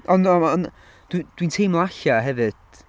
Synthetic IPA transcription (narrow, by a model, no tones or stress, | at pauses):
ɔnɔɔn | d̥wd̥wintʰejmlˠaɬaɦɛvɨd̥